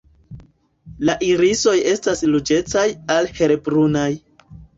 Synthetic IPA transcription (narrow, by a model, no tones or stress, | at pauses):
laʔiɾiso̞je̞staslud͡ʒe̞t͡sajalhe̞ɾebɾunaj